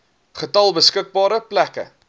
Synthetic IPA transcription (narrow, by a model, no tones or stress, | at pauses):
χətɐlˠbəskək̚bɑːɾəplækə̰